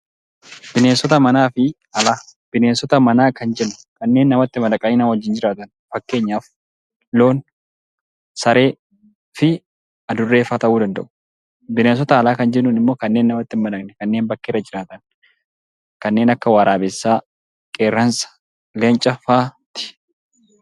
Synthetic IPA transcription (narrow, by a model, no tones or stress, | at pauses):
bɪneːnsɔt̪ɐmɐnaːfɪ | ɐlaːb̥ɪneːnsɔt̪ɐmɐnaːkɐnd͡ʒɛnːʊ̥kɐnːeːnːɐmɐt̪ːɪmɐd̪ɐkʼɐɲɪnaːwɐd͡ʒːɪnd͡ʒɪɾaːt̪ɐn | fɐkːe̞ːɲːaːf | lo̞ːn | sɐɾe̞ː | fɪ | ɐd̪ʊrːe̞ːfaːt̪ɐʔuːd̪ɐnd̪ɐ̰ʔʊ̥ | bɪneːns̬ɔt̪ɐːlaːkɐnd͡ʒɛnːʊnɪmːo̞ːkɐnːe̞ːnːɐmɐt̪ːɪmːɐd̪ɐkʼnɛkɐnːe̞ːnbɐkːeːɾɐd͡ʒɪɾaːt̪ɐn | kɐnːeːnɐkːɐwaːɾaːbɛsːaː | kʼeːɾːɐnsɐ̥ | leːnt͡ʃʼɐfaːt̪ɪ̥